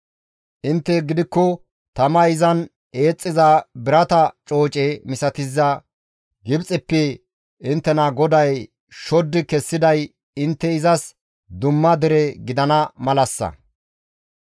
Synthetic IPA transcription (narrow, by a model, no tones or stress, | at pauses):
ʔɪnt̪ːɛɡɪd̪ɪkːɔ | t̪ɐmɐɪzɐn | e̞ːt͡sʼːɪzɐbɪɾɐt̪ɐt͡ʃʼo̞ːt͡ʃʼɛmɪsɐt̪ɪzːɐ | ɡɪbt͡sʼɪpːɛ | ɪnt̪ːɛnɐɡɔd̪ɐj | ʃɔd̪ːɪkɛsːɪd̪ɐj | ɪnt̪ːɛɪzɐs | d̪ʊmːɐd̪ɛɾɛɡɪd̪ɐnɐmɐlɐsːɐ̰